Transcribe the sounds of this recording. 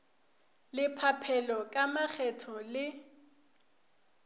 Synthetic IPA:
lɪpʰapʰɛlɔkʼamak͡xʰɛtʰɔlɪ

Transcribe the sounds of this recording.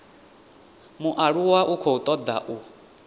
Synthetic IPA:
muʔaɺuwaʔukʰɔut̪ʼɔd̪a̰ʔu

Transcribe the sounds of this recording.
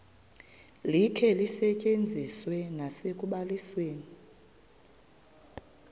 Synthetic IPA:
likʰɛlisɛcʼend͡zʱiswɛnasekʼuɓalisweːni

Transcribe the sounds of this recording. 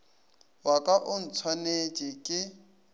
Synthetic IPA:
wakʼaʔʊn̩t͡sʰwanet͡ʃʼɪkʼɪ

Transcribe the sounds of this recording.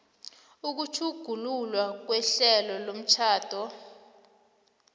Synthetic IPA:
uk̬ut͡ʃʰuɡ̥ʱululwak̬wɛɬɛlɔlom̩t͡ʃʰaːd̥ʱɔ

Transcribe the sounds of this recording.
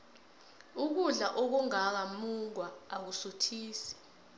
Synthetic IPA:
uk̬uɮaʔok̬uŋak̬amuŋwaːk̬usutʰiːsɛ̥

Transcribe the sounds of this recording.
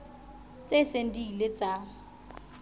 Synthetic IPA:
t͡sʼesen̩dilet͡sʼaːŋ̩

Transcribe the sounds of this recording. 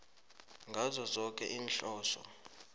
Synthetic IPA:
ŋɡʱazɔzɔk̬ʼɛ̰ʔiːnɬɔːsɔ̰

